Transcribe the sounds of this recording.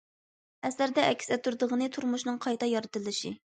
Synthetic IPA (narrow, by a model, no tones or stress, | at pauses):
ɛsæɾd̪ɛɛkʲʰːsɛt̪ʰuɾd̪əʁənɨt̪ʰuɾmuʃnɨŋqʰɑjt̪ɑjɑɾɨt̪ɨlˠɨʃi